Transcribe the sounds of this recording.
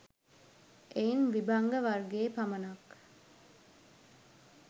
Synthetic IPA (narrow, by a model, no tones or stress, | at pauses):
ʔeinʋibɐŋɡəʋɐrɡeːpɐmɐnɐk